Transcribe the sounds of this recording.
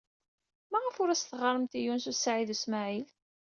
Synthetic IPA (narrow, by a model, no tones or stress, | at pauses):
mæʁəfʊɾæsθʁɑɾˤəmt̪ijunsusʕiðusmaʕil